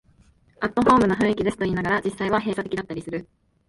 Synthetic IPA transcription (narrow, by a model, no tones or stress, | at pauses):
at̪ːo̞ɸo̞ːmɯ̟naɸɯ̟̃ɰ̃ikʲid̪e̞sɨ̥t̪o̞iːnaɡaɾad͡ʑisːaiβ̞aɦe̞ːsat̪e̞kʲid̪at̪ːaɾʲisɨɾɯ̟